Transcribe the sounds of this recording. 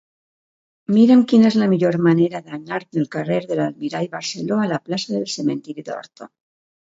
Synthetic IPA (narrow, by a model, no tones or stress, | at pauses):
miɾaŋkjenezlameʎo̞ɾmane̞ɾaðeaɲaɾnelkareɾðe̞lalmiɾajβaɾseloalaplasaðelse̞mẽ̞nt̪iɾjuðeo̰ɾt̪o